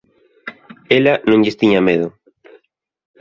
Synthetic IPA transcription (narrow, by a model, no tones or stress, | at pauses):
elanõŋʎɪst̪iɲameðʊ